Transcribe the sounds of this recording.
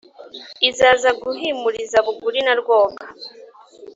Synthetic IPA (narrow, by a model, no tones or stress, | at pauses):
izaːzaɡuɦimuɾizaβuɡuɾinaɾɡwo̞ːɡḁ